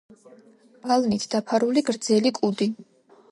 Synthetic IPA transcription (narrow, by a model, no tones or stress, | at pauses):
balˠnit̪ʰd̪̥apʰaɾuliɡɾd̪zɛlikʼud̪i